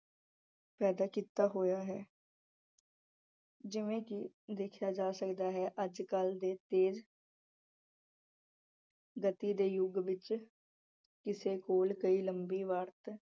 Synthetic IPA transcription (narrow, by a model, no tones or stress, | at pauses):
pɛːd̪aːkiːt̪aːɦoːjaːɦɛː | d͡ʒɪʋẽːkɪ | d̪eːkʰjaːd͡ʒaːsəkd̪aːɦɛːʔəd͡ʒkəld̪eːt̪eːd͡ʒ | ɡət̪iːd̪eːjʊɡʋɪt͡ʃ | kɪseːkoːlkəiːləmbiːʋaːɾt̪